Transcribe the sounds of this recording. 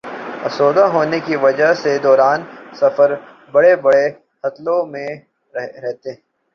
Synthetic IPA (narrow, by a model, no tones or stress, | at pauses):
ɐ̰soːd̪aɦoːnekiʋɐd͡ʒəɦsed̪ɔːɾaːnsɐfəɾ | bɐɽebɐɽe | hɐt̪lõmẽ | ɾɛɦɾɛɦt̪eɦɛ̃